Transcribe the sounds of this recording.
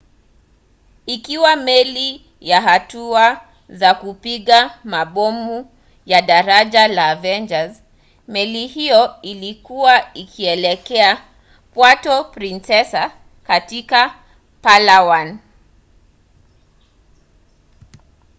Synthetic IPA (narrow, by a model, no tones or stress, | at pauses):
ikiwamɛli | jaɦatua | zakupiɠamaɓɔmu | jaɗaɾaʄalaːvɛnd͡ʒaz | mɛlihijɔilikuwaikʰiɛlɛkɛa | pwatɔpɾinsɛsa | katika | palawan